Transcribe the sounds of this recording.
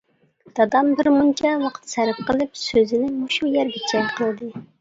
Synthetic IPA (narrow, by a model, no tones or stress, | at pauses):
d̪̥ɑd̪ɑmbɪɾmunt͡ʃʰɛwɑqʰə̥t̪sæɾɪp̚qəlˠɨp̚søzɪnɪmuʃujɛɾbɪt͡ʃʰɛqʰəlˠd̪ɨ